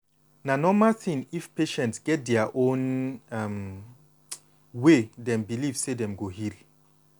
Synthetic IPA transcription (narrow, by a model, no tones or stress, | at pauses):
nanɔmalθʰĩnifpʰeʃɛ̃ntsɡ̥ɛt̚dɛaʔõnam | wedɛ̃mbilivsedɛ̃mɡohil